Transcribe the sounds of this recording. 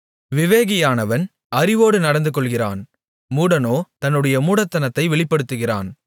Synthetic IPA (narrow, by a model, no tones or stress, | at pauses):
ʋɪʋeːɣɐjaːnɐʋɐn | ɐɾɪʋoːɽɯnɐɽɐnd̪ɯk̬ːɔɭɣɪra̰ːn | muːɽɐnoːt̪ɐnːɯɽɐjɐmuːɽɐt̪ːɐnɐt̪ːɐɪʋɛɭɪpːɐɽɯt̪ːɯɣɪra̰ːn